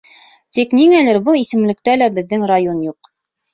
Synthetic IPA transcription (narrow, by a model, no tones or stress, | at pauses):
t̪ikniŋælɘɾbɤlˠisɘ̆mlɘ̆k̚t̪ælæbɘ̆ðːɘŋɾajo̞njuq